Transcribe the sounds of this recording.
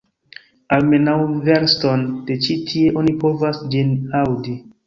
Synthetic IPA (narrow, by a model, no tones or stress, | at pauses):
almenawveɾstond̥et͡ʃitʰieʔonipʰovasd͡ʒinawdi